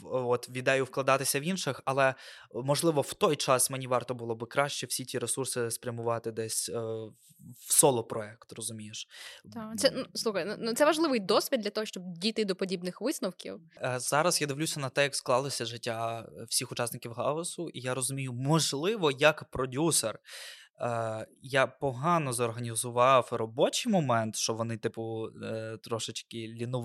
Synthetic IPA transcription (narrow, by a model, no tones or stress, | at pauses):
ɔt̪ʋʲid̪ɛjʊwklˠɐd̪ɑt̪ɪsʲɐʋinʃɪxɐlˠɛ | mɔʒlˠɪʋɔw̥t̪ɔjt͡ʃɑsmenʲiʋɑrt̪ɔbʊlˠɔbɪkɾɑʃt͡ʃɛwsʲitʲiɾesursɪspɾʲjɐmʊʋɑt̪ɪd̪ɛsʲ | wsɔlˠɔpɾɔɛkt̪rɔzʊmʲijeʃ | t̪sɛnuslˠuxɐjnunut̪sɛʋɐʒlˠɪʋɪjd̪ɔsʲʋʲid̪dlʲɐt̪ɔɦɔʃt͡ʃɔbdʲijt̪ɪd̪ɔpɔdʲibnɪxʋɪsnɔwkʲḭwz̥ɑɾɐsjad̪ɪwlʲusʲɐnɐt̪ɛjɐksklˠɑlˠɪsʲɐʒɪtʲːawsʲixʊt͡ʃɑsnɪkʲiwɦɑɔsʊʔijaɾɔzʊmʲijʊmɔʒlˠɪʋɔjɐkpɾɔdʲuser | japɔɦɑnɔzɔrɦɐnʲizʊʋɑwrɔbɔt͡ʃɪjmɔmɛnt̪ʃt͡ʃɔʋɔnɪt̪ɪpʊ | t̪ɾɔʃɪt͡ʃkɪlʲinʊʋ